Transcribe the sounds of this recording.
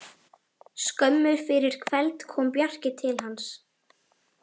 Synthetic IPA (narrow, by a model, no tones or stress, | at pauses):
skœmːʏɾ̥fɪɾɪɾ̥kʰvɛlt̪kʰɔːmpjar̥cɪt̪ʰɪlɦans